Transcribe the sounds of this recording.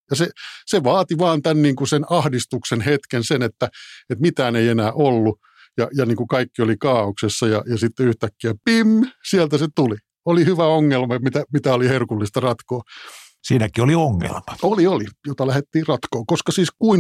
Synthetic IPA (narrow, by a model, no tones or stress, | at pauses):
jɑseseʋɑːt̪iʋɑːnt̪ænniːŋkusenɑhdist̪uksenhet̪kensenet̪ːæet̪mit̪æːneienæːʔolːu | jɑjɑniːŋkukɑikːiolikɑːoksesːɑjɑjɑsit̪ːeyht̪ækːiæpimsiælt̪æset̪uli | olihyʋæoŋːelmɑet̪mit̪æmit̪æoliherkulːist̪ɑrɑt̪koː | siːnækiolioŋːḛlmɑ̥oliolijot̪ɑlæhet̪ːiːrɑt̪koːkoskɑsiːskuin